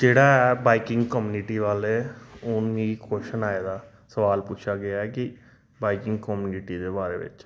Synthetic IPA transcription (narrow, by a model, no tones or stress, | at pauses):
d͡ʒeːɽaːɛbaːikɪ̃ŋɡkəmjuːnɪʈiːʋaːlɛːʊnmĩkoːʃənaːjaːd̪aː | səʋaːlpʊt͡ʃʰaːɡɪaɛkɪ | baːikɪ̃ŋɡkəmjuːnɪʈiːd̪eːbaːɾḛːʋɪ̰t͡ʃ